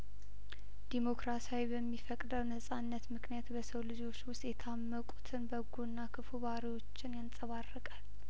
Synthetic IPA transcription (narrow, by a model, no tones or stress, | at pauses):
d̪̥imo̞kɾasawibəmːifəkʼd̪əwnəsʼanːət̪mɨknijat̪bəsəwlɨd͡ʒo̞t͡ʃːwʊst̪ʼjɛt̪ʰamːəkʼut̪ʰɨnbəɡunːakʰɨfuβaɾiwo̞t͡ʃːɪnjansʼəβarːəkʼal